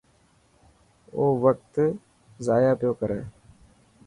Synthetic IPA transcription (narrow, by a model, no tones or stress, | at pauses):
oːʋək̚t̪ | zaːjaːpɪjoːkəɾeː